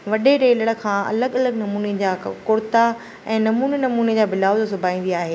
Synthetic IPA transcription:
ʋɐɗeɾeːləɽə̆kʰãːɐ̰ləɠɐləɡnɐmuːned͡ʑaːkʊɾt̪a | ɛ̃ːnɐmuːnenɐmuːned͡ʑaːbɪlaːʋzsʊbʱaːĩːnd̪iaːɦeː

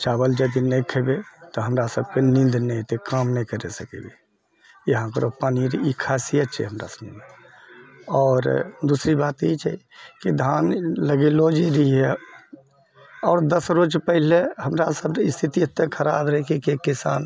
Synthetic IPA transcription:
t͡ʃabəld͡ʒəd̪inɛjkʰebet̪ɔɦəmɾasəb̚kenĩnd̪nɛ̃t̪ekamnɛkəɾesəkḛbe | jeɦãkəɾopaːniɾikʰasijət̪̚t͡ʃʰɛ̰ɦəmɾa̰səbʱme | ɔːɾd̪usɾibat̪et͡ʃʰɛ̰kid̪ʱanləɡelod͡ʒiɾəiɦe | ɔːɾd̪əsɾod͡ʒpəɦileɦəmɾasəbist̪ʰit̪iət̪ːekʰəɾabɾəɦkekekisa̰n

